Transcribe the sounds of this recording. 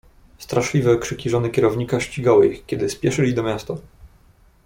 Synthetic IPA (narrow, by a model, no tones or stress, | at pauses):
st̪ɾaʂlʲivɛkʂɘkʲiʐɔnɘkʲɛɾɔvɲikaɕt͡ɕiɡawɘixkʲɛd̪ɘspʲjɛʂɘlʲid̪ɔmʲjast̪a